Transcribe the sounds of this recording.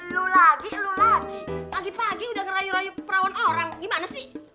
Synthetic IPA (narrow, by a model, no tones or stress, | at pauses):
lulaɡilulaɡipaɡipaɡiudaŋəɾajuɾajupəɾawanoɾaŋɡimanasɪh